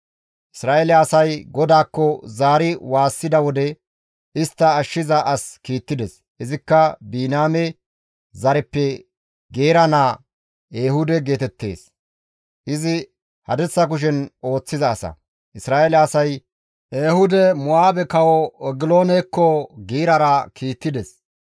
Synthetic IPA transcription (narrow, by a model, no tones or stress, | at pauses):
ʔɪsɾaːʔelɛɐsɐjɡɔd̪aːkːɔzaːɾɪwaːsːɪd̪ɐwɔd̪ɛ | ʔɪst̪ːɐːʃːɪzɐʔɐskiːt̪ːɪd̪ɛs | ʔɪzɪkːɐbiːnaːmɛ | zɐɾɛpːɛ | ɡe̞ːɾɐnaː | eːɦʊd̪ɛɡe̞ːt̪ɛt̪ːe̞̰ːs | ʔɪzɪ | hɐd̪ɛt͡sːɐk̬ʊʃ̬ɛno̞ːt͡sːɪzɐːsɐ̰ | ʔɪsɾaːʔelɛɐsɐj | ʔeːhʊd̪ɛmʊaːbɛkɐwɔɛɡɪlo̞ːnekːɔɡiːɾɐɾɐkʰiːt̪ːɪd̪ɛs